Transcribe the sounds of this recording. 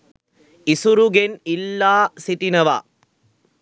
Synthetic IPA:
isuɾuɡenilːaːsit̪inɐʋa̰ː

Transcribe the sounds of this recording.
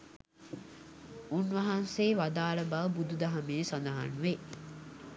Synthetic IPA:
unʋɐɦanseːʋad̪aːləbaʋəbud̪ud̪ɐɦameːsand̪aɦa̰nuʋe

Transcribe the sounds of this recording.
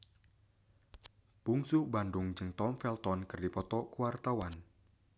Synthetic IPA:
puŋsʊhbandʊŋd͡ʒɨŋt̪ɔmfɛlt̪ɔnkɨrdipɔt̪ɔkuwart̪awan

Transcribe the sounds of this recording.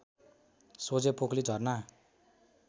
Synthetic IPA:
sod͡zepoklid͡zʱʌrna

